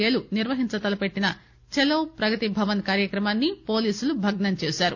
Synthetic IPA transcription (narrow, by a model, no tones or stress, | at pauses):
ɐluniɾʋɐɦiɲt͡ʃɐt̪ɐlɐpe̞ʈːinɐ | t͡ʃeloːpɾɐɡɐt̪ibʱɐʋɐnkaːɾjɐkɾɐmaːnːipo̞ːliːsulubʱɐɡnɐnt͡ʃeːsaːɾṵ